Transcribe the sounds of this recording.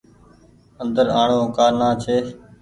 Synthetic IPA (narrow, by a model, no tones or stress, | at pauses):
ənd̪əɾaːɳoːkaːɾnaːt͡ʃʰeː